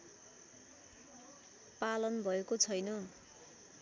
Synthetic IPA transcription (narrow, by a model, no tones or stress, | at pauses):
palʌnbʱʌekot͡sʰʌjnʌ